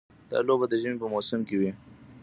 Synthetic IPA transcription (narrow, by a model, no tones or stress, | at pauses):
d̪̥ɑ̰lobad̪əʒəmepəmoːsɪmkewi